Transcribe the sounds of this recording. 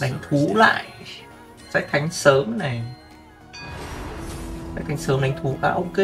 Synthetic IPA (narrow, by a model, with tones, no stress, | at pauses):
ɗa˨˦jŋ̟t̪ʰu˨˦la̰ː˧˨j | sa̰ː˧˥k̚t̪ʰa˨˦jŋ̟səː˨˦mna˨˩j | sa̰˧˥k̚t̪ʰa˨˦ŋ̟səː˨˦mɗa˨˦ŋ̟t̪ʰu˨˦kaː˨˦ʔə˧wke˧